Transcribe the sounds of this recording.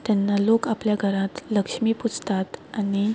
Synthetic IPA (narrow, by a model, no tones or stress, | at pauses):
t̪janːalokapljaɡʱəɾãt̪ləkʂmiːput͡sʰt̪at̪añi